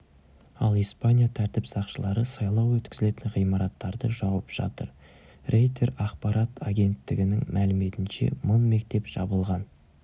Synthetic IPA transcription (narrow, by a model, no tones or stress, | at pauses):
ɑ̰lˠijspanʲijat̪ʰæɾt̪ɪpsɑqʃəlˠɑɾəsɑjlˠɑwwɵt̪kʲɪzɪle̞t̪ɪnʁijmɑɾɑt̪ːɑɾd̪əʒɑwəpʒ̥ɑ̰t̪əɾ | re̞jt̪ʰe̞ɾɑqpɑɾʔat̪ʰaɡʲe̞nt̪ːɪɡʲɪnɪŋmʔælɪme̞t̪ɪnʃe̞̰mənme̞k̚t̪e̞pʒ̥ɑbəlˠʁɑn